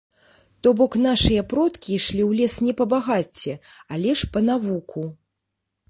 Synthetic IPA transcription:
t̪ɔbɔkn̪aʂɨjɐpɾɔt̪kʲiʂlʲiwlʲɛsnʲɛpɐbaɣat͡sʲːɛ | alʲɛʂpɐnavukʰu

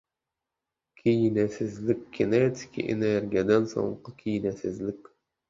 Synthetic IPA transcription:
kʲʰijnæsɪzlɪk̚ʲɡʲenet̪ʰɪ̥kʲʰḭʔḛneɾɡʲiad̪ænso̰ɴqəkʰʲijnæsɪzlɪkʲ

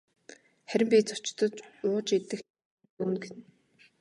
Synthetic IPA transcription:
χæɾʲɪ̆mpʲiːt͡sʊ̥t͡ɕt̪ɞ̆t͡ɕʊːt͡ɕet̪ɘ̆x | uːnɡen

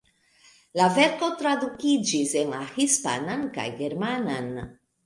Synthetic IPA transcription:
lavɛɾkot̪ɾaðukid͡ʒizeŋlahispa̰nanka̰jɣeɾmanan

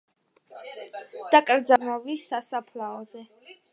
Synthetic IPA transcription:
d̪̥akʼɾd̪zamɔvisːasapʰlaɔzɛ

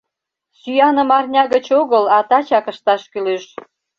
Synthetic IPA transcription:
syjɑnə̆mɑrnʲɑɣət͡ɕoɣəlɑt̪ɑt͡ɕɑkəʃt̪ɑʃkyløʃ

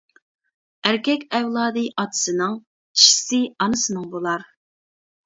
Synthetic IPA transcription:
æɾkʲɛkʲɛvlˠɑːd̪ɨʔɑt̪ʰɨ̥sɨnɨŋ | t͡ʃʰi̥ʃi̥sɪɑnɨsɨnɨŋbolˠɑɾ

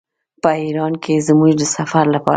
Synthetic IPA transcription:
pəiɾɑnkʰezmuʒd̪əsafaɾlapɑ̰

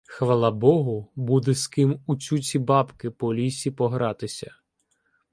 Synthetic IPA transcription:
xʋɐlˠɑbɔɦʊbud̪ɛskɪmut͡sʲut͡sʲibɑpkɪpɔlʲisʲipɔɦɾɑt̪ɪsʲɐ̰

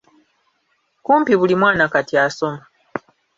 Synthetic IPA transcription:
kuːmpiβulimwaːnakatjaso̞ma

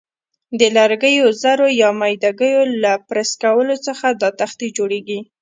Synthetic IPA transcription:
d̪əlaɾɡəjozaɾojɑmajd̪aɡəjolapɾaskawəlot͡səxad̪ɑt̪axt̪id͡ʒoɽeɡi

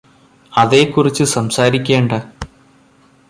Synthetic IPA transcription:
ɐðe̞ːkːurit͡ɕːɨsɐmsaːɾikʲːeːɳɖɐ

